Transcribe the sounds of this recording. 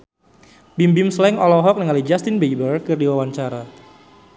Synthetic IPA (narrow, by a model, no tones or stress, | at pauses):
bimbɪmslɛŋɔlɔɦɔk̚nəŋalid͡ʒast̪ɪnbejbərkɨrdiwawant͡ʃaɾa